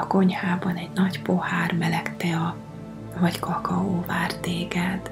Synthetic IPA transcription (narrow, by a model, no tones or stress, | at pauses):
ɒko̞ɲhaːbɒnɛɟnɒɟpo̞haːrmɛlɛkt̪ɛɒ | vɒckɒkɒoːvaːrt̪eːɡɛd̪